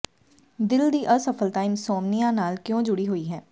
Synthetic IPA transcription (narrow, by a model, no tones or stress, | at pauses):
d̪ɪld̪iːʔəsəpʰəltaːɪmsɔːmnɪjãːnaːlkjõːd͡ʒʊɽiːɦoːiːɦɛː